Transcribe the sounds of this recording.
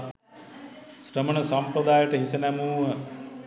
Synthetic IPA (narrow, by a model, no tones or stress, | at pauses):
sɾɐmɐɳɐsɐmpɾɐd̪aːjɐʈɐɦisɐnamuːɐ